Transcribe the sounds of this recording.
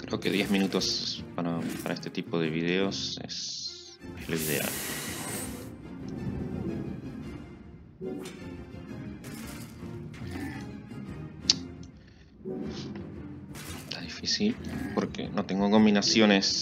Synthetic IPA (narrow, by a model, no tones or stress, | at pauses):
kɾe̞o̞keðjezmĩnut̪ospaɾapaɾaest̪e̞t̪ipo̞ðe̞βiðeo̞sḛs | ezlo̞iðe̞̰a̰l | t̪aðifisilpo̞ɾkḛno̞t̪e̞ŋɡokominasjo̞ne̞s